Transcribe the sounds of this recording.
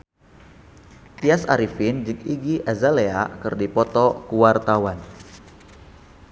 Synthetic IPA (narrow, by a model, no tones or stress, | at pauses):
t̪iasa̰ɾifind͡ʒɨkiɡiʔazaleakɨrdipɔt̪ɔkuwart̪awan